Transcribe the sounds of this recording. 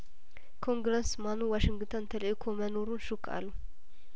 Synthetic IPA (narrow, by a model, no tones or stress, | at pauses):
kʰoŋɡɾəsmanuwaʃɪŋɡt̪ʰənt̪ʰələʔkʰomənoɾunʃukʰa̰lːu